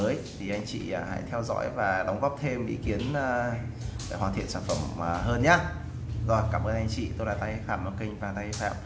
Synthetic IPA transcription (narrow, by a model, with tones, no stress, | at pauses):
əː˨˦jt̪ʰi˨˩ʔa˧jŋ̟t͡ɕḭː˧˨˩ha̰˧˥jt̪ʰɛ˧wzɔ̰˧˥jvaː˨˩ɗa˨˦wŋ͡mɣɔ˦˥p̚t̪ʰe˧mʔḭ˧˦˥ki˨˦ənː˨ | e˧˩hwaː˨˩t̪ʰḭ˧˨ənsaː˧˩nfə˧˩mː˨˩ɦəː˧nɲaː˧˦ | zɔ˧˨˧kaː˧˩mʔəː˧nʔa˧jŋ̟t͡ɕḭ˧˨t̪o˧jlaː˨˩t̪a˧jfaː˧˩ma˧˩kï˧ŋ̟vaː˨˩t̪a˧jfa̰ː˧˨m